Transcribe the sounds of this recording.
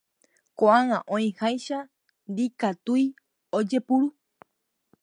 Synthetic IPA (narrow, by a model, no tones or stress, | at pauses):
koʔãŋãʔõĩhajʃa | nd̪ikat̪uj | od͡ʒe̞puɾu